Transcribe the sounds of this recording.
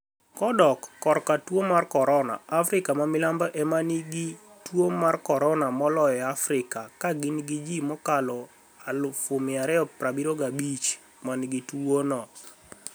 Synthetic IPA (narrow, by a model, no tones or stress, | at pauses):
kɔdɔkːɔɾkatwomarkɔɾɔna̰afɾɪkamamɪlambaʔɛmaniɡi | twomarkɔɾɔnamɔlɔjɔafrɪkakaɡɪnɡid͡ʒimɔkalɔ | alʊfʊmɪaɾɛɔpɾabiɾoɡabit͡ʃ | manɡitwonɔ